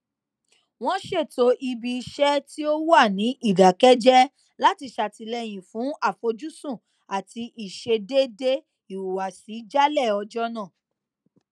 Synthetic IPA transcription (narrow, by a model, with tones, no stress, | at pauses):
w̃ɔ̃˦ʃe˦˨to˧˦ʔi˧bi˧i˧ʃɛ˦ti˦o˦wu˦a˦˨nĩ˨˦ʔi˦˨ɡa˨kɛ˦d͡ʒɛ˦ | la˦ti˧ʃa˨ti˧lɛ˧j̃ĩ˨fũ˨˦a˦˨fo˧d͡ʒu˦sũ˦˨ | a˨ti˧ʔi˨ʃe˧de˦de˦ | i˨wu˨wa˨si˨˦d͡ʒa˦lɛ˦˨ɔ˧d͡ʒɔ˦nãː˦˨